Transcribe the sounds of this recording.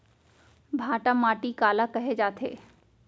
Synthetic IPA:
bʱãːʈãmaːʈikaːlakɐɦed͡ʒaːt̪ʰḛː

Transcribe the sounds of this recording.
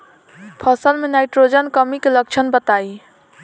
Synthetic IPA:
pʰəsəlmenajʈɾod͡ʒənkəmikelək̚t͡ʃʰənbət̪ai

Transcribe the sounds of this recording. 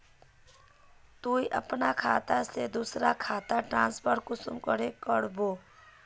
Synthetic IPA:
t̪uiʔə̰pnakʰaːt̪ased̪usɾakʰaːt̪aʈɾãːnspəɾkʊsṵmkəɾekəɽboː

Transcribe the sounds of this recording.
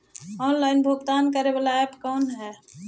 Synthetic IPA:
ɔnlaɪnbʱoɡt̪ankəɾebalaepkɔːnɦɛː

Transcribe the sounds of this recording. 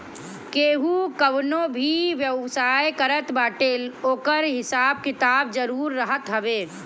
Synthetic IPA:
keːɦukəbnobʱiʋjəʋsaːjkəɾət̪baːʈeːloːkəɾɦɪsaːb̚kɪt̪aːbd͡ʒəɾuːɾːəɦət̪ɦəbeː

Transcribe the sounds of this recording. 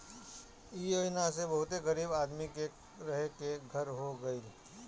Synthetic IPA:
ioɪnasebɐɦʊt̪eɣəɾiːbaːd̪mike | ɾɐɦekeɡʱəɾɦoɡəiː

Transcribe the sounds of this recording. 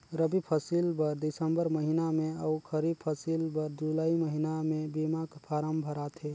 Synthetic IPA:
ɾəbipʰəsilbəɾd̪isəmbəɾməɦinamẽəkʰəɾid̪̚pʰəsilbəɾd͡ʒulaiməɦinamẽbimakpʰaɾəmbʱəɾat̪ʰe

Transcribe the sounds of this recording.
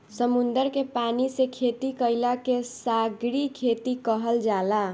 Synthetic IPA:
səmund̪əɾkepanisekʰet̪ikəɪlakesaɡɾikʰet̪ikəɦəld͡ʒala

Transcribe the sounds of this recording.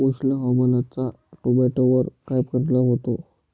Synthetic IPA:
oɕləɦamənat͡sa | ʈobeʈoʋəɾʈɾajp̚kəɾlaɦot̪o

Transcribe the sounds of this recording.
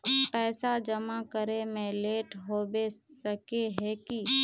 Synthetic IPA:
pɛːsad͡ʒəmakəɾemẽleːʈɦoːbesəkeɦɛki

